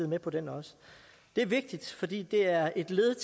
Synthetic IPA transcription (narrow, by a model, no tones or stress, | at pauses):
ð̩ˠmepʰɒ̽d̥enɒ̽sə̥ | d̥e̝æɐʋe̝ɡ̥̚d̥id̥fɒ̽d̥ḭːd̥e̝æɐʔe̝d̥le̝ːðˠət͡sʰ